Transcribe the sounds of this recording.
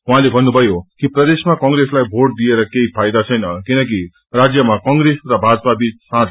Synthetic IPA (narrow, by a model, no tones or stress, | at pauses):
uɦãlebʱʌnːubʱʌjokiprʌd̪esmakʌŋɡɾeslajbʱoʈ̚d̪ieɾʌkeipʰajd̪at͡sʰʌjnʌkinʌk̬i | rad͡zjʌmakʌŋɡresrʌbʱad͡zʌpabit͡ssãt